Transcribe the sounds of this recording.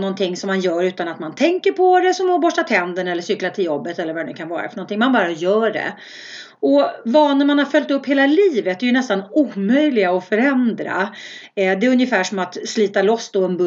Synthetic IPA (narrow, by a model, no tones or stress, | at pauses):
nɔnt̪ʰɪŋːsɔmːanjœːɾʉ̟ːt̪anat̪mant̪ʰɛŋkəɾpʰɔɾɛsɔmɔbɔʂat̪ʰɛnd̪əɳɛlːəsʏklat̪ʰɪljɔbːət̪ɛlːəɾvaɾɛnɵ̟kʰanvɑ̰ːɾa̰fœɾɳɔnt̪ʰɪŋmanbɑːɾajœːɖɛ̰ | ɔvɑːnəmanhaɾfœlʲt̪ɵpːheːlaliːvət̪̚d̪ɛjɵnɛst̪anuːmœjlɪɡaɔfœɾɛnd̪ɾa̰ | d̪ɛɵnjəfæːʂɔmat̪sliːt̪alɔsːd̪ɔɛnb